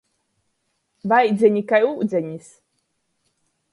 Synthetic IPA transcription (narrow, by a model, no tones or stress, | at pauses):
vajd̪zʲɛnʲikajuːd̪zʲɛnʲis